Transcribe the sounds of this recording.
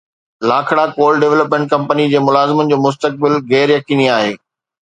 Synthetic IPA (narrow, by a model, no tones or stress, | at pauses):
laːkʰɪɽakoːlɖeʋləpmẽːɳʈ̚kɐ̃mpənid͡ʑeːmʊlaːzɪmənɪ̆d͡ʑoːmʊs̬t̪ək̚bɪlɣɛːɾjɐkiːniaːɦeː